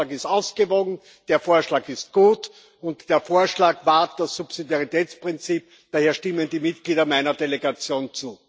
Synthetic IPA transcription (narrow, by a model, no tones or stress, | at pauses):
akɪstaʊsɡ̥əvoːɡŋ̩ | d̥eːɐfoːɐʃlaːkɪst̚ɡ̥uːt | ʊntd̥eːɐfoːɐʃlaːkvaɐtd̥asːupsidjaʁitʰɛːt͡spʁ̥ɪnt͡siːp̚ | d̥aːheːɐʃtɪməndiːmɪtɡ̥liːdɐmaɪnɐdeleɡat͡sjoːnt͡suː